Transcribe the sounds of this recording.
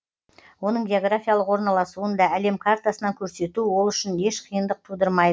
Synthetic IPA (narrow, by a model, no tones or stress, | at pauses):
wo̞nəɴɡʲeo̞ɡɾafʲijalˠəqwo̞ɾnɑlˠɑsuənd̪ɑæle̞mkʰart̪asənɑŋkʲʰɵɾse̞t̪uwo̞lˠʏʃɪne̞ʃqʰijənd̪əq̚t̪ʰud̪əɾmɑjd̪ə